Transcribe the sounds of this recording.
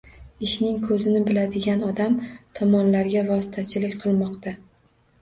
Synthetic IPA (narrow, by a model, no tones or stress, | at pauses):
ɪʃnɪŋkʰɵzɪnɪbɪlad̪ɪɡʲanɒd̪amt̪ʰɒmɒnlaɾɡʲavɒsɪ̥t̪ʰat͡ʃʰɪlɪkʲqʰɨlˠmɒqt̪ʰa